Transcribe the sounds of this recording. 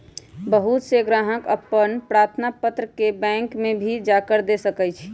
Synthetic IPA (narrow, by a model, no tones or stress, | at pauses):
bəɦut̪seɡɾaɦəkəpːənpɾaɾt̪ʰnapət̪ɾəkebɛ̃ŋkmebʱid͡ʒakəɾd̪esəkɛjt͡ʃʰ